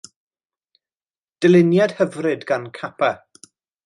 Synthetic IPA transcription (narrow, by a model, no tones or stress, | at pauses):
d̥ɪlˠɪnjad̥həvrɨdɡankʰapʰɛ